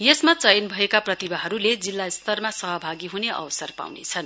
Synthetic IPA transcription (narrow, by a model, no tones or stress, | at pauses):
jesmat͡sʌjʌnbʱʌekaprʌt̪ibaɦʌɾuled͡zilːaist̪ʌrmasʌɦʌbʱaɡiɦuneʔʌ̰wʌsʌrpa̰wnḛt͡sʰʌn